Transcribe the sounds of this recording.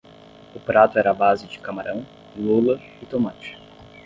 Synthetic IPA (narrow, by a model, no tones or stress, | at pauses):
ʊpɾat̪ʊɛɾɐabazɪd͡ʒɪkamaɾʔɐ̃w̃ | lulɐ | ɪt̪omãt͡ʃɪ̥